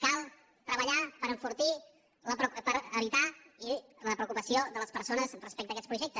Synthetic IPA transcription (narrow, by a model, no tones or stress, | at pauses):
kalˠ | t̪ɾəβəʎapəɾəɱfuɾt̪i | ləppəɾəβit̪ailəpɾəukupəsioðələspəɾsonəzrəspɛk̚t̪əkɛt͡sspɾuʒɛk̚t̪ə